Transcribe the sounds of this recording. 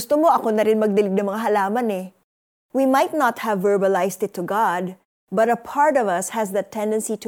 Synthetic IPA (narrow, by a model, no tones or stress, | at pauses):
st̪omo̞ʔɐko̞nɐɾɪnmɐɡ̚d̪ɪlɪɡ̚nɐŋmɐŋaɦɐlaːmɐnɛ | wimajt̪̚nɐt̪̚hɐvːɛɹbɐlajst̪ɪt̪ʰːʊɡad̪̚ | bɐt̪ɐpʰaɹt̪ɔvɐshɐsðɐt̪ʰɛnd̪ɛ̃nsit̪